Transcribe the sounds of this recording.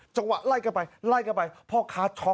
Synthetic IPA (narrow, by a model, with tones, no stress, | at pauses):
t͡ɕa˧ŋwa̰˨˩t̪̚laː˧˩jka˧˩pa˧jlaː˧˩jka˧˩pa˧jpʰɔː˧˩kʰaː˨˦˥t͡ɕʰɔː˨˦